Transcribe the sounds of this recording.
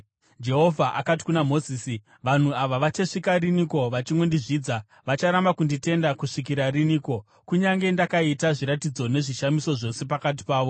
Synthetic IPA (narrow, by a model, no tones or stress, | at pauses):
d͡ʒe̞ɦo̞vʱaʔakat̬i̥kunamo̞ziːsi | ʋan̤uaʋaʋat͡ʃeʂikariniko̞ʋat͡ʃimwo̞ndiʐiːd͡za | ʋat͡ʃaɾambakundite̞ndakuʂik̬iɾariniːko̞ | kuɲaŋɡe̞ndakaitaʐiɾatid͡zo̞ne̞ʐiʃamiso̞ʐo̞se̞pakat̬i̥paːʋo̞